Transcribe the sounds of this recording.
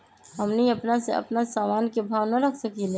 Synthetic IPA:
ɦɐmniɐpnasḛɐ̰pnasaːmaːnkebʱaːʋnaɾɐkʰsɐkile

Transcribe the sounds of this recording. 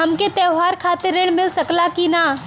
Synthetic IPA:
ɦɐmket̪ɛːɦaːɾkʰaːt̪ɪɾɪɽ̃mɪlsɐklakinaː

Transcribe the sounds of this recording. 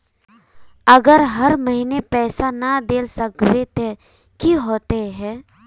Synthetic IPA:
əɡəɾɦɐɾməɦinepɛːsanad̪eːlsəkbet̪e | kiɦoːt̪eɦɛ̃ː

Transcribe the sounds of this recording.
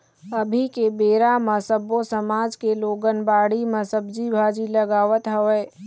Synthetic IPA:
əbʱikebeːɾamẽsəbosəmaːd͡ʒkeloːɡənbaːɽimesəbd͡ʒibʱad͡ʒiləɡaːʋət̪ɦəʋɛː

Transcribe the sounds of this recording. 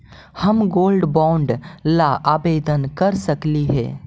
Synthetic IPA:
həmɡoːlɖbɔ̃ːɳɖlaʔaːbeːd̪ənkəɾsəkliɦɛ̰ː

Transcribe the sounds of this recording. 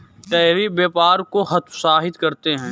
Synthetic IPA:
t̪ɛːɾibeːpaːɾkoɦɐt̪ʰsaːɦɪt̪kɐɾt̪eɦɛ̃ː

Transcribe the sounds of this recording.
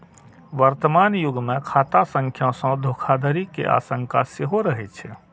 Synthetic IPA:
ʋəɾt̪əmaːnjʊɡmẽkʰaːt̪asə̃ŋkʰjãsə̃d̪ʱoːkʰad̪ʱəɾikḛʔa̰ːsə̃ŋkaseɦoɾəɦɛt͡ʃʰɛ

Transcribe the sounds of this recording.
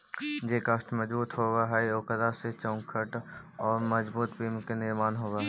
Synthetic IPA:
d͡ʒeːkasʈ̪məd͡ʒbuːt̪ɦoɡaɦɛoːkəd̪aset͡ʃɔʊŋkʰəʈ | ɔːɾməd͡ʒbuːt̪piːmkenɪɾmaːnɦoːɡaːɦɛ

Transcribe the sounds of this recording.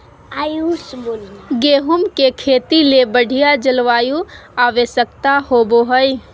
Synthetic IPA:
ajusbolɡeɦumkekʰeːt̪ilebəɽ̤ʱijad͡ʒəlʋaːjuaʋesjək̚t̪ahoboɦəj

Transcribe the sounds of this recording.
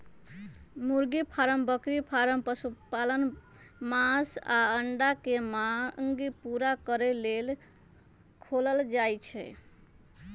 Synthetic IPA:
muɾɡipʰaɾəmbəkɾipʰaɾəmpəsupalən | masaəɳɖakemaŋɡipuɾakəɾelel | kʰoləld͡ʒajt͡ʃʰɛ̰

